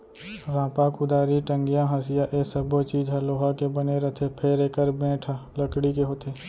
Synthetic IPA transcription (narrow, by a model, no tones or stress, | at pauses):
ɾãːpakʊd̪aːɾiʈə̃ŋɡɪjãɦasɪjaʔeːsəbot͡ʃiːd͡ʒɦaloːɦakebɐneɾɐt̪ʰepʰeɾeːkəɾbẽːʈʰaləkɽikeɦoːt̪ʰeː